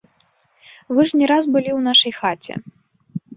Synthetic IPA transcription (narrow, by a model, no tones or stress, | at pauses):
vɨʐnʲɛɾazbɨlʲiwnaʂɐjxat͡sʲɛ̰